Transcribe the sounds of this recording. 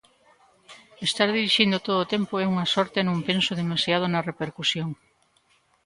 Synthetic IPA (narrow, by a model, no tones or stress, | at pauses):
est̪aɾðiɾiʃind̪ot̪oðoːt̪empoɛuŋɐsɔɾt̪enõmpensoðemasjað̞onɐrepeɾkusjoŋ